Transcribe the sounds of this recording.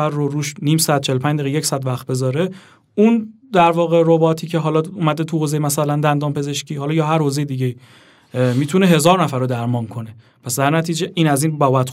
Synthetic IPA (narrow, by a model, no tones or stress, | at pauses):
æɾːoɾuːʃniːmsæd̪̥̚t͡ʃʰelopæɲd̪æɣejecsæd̪væxt̪̚be̞zɒːɾe̞ | un | d̪æɾvɒːɣe̞ɾobɒːt̪ʰiːcʰe̞ɦɒlɒːumæd̪et̪ʰuhozejemæsælænd̪ænd̪ɒːmpʰe̞ze̞ʃciːhɒlɒːjɒːɦæɾhozejed̪iːɟei | miːt̪ʰune̞ɦe̞zɒːɾnæfæɾːod̪æɾmɒːnkʰo̞ne | pʰæsd̪æɾnæt̪ʰiːd͡ʒeʔiːnæziːnbɒːbæt̪